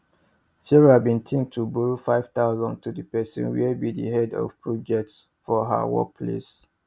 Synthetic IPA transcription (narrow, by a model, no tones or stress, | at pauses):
siɹabĩntʰĩŋ̚tʰubuɹfaɪv̥t̪aʊzɔ̃ntudəpɛsɔ̰̃nwibidḭɦɛdɔ̰fpʰɹɔd͡ʒɛk̚ts | fɔɦə̰wɔ̰k̚pʰlḛs